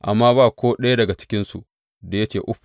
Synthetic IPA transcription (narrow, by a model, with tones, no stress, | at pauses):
ʔa̰˨mːaː˦baː˦˨kʷoː˦ɗɐ˦ja˦dɐ˨ɡa˨t͡ʃɪ̥˦kʲɪ˦nsṵ˨ | da˨jɐ˦t͡ʃeː˨ʔʊ˦ɸ